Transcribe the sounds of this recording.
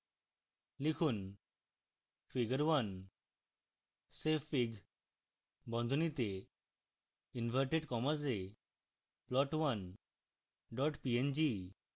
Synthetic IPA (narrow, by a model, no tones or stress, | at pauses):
likʰuːn | fiɡəɾʋən | sefːiɡ | bɔ̃nd̪ʱunit̪e | inʋʱəɾʈeɖkɔmas̬e | plɔʈʋən | ɖɔʈpiend͡ʑi